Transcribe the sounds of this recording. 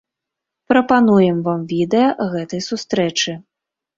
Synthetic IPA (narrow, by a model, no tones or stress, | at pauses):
pɾɐpanujɛmvamvʲid̪ɛjɐɣɛt̪ɐjsust̪ɾɛt͡ʂɨ